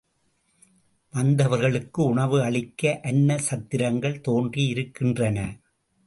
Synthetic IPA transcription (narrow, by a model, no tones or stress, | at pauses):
ʋɐnd̪ɐʋɐɾɣɐɭɯkːɯʊɳɐʋɯɐɭɪkːɐʔɐnːɐsɐt̪ːɪɾɐŋɡɐɭt̪oːndriɪɾɯkːɪndrɐnɐ